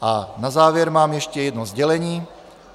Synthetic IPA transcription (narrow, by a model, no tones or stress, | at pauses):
ʔanazaːvjɛɾmaːmjɛʃcɛjɛd̪nozɟɛlɛɲiː